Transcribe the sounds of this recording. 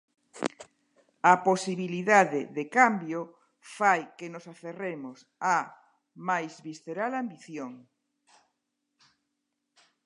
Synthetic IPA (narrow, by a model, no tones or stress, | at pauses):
aposiβiliðaðeðekambjo | fajkenosaθeremosa | majzβisθeɾalambiθjoŋ